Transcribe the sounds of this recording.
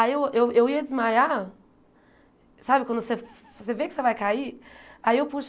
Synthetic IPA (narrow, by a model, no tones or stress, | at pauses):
aewewewiɐd͡ʒɪzmaja | sabɪkwɐ̃nd̪ʊse | sevekɪ̥sevajkaiaiewpuʃ